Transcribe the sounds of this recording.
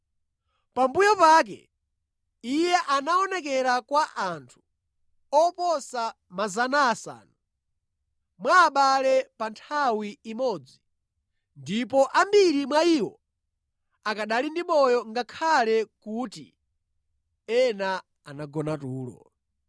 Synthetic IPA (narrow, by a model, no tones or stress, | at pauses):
pambujɔpaːk̬ɛ̰ | ijɛʔanaɔnɛk̬ɛɾakwaʔantʰu̥ | ɔpɔsa | mazanaːsa̰ːnu | mwaːɓalɛpantʰawiːmɔd͡zi | ndip̬ɔʔambiɾimwaiwɔ | akaɗalindimɔjɔŋɡakʰalɛkutḭ | ɛna | anaɡɔnatuːlɔ̰